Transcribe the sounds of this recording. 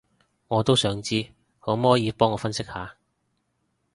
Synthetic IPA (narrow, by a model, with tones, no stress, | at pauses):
ŋɔː˨˧t̪o˥wsœː˨˥ŋt͡siː˥ | ho˨˥mɔː˨˥jiː˨˧pɔː˥ŋɔː˨˧fɐ˥nsɪ˥k̚haː˨˧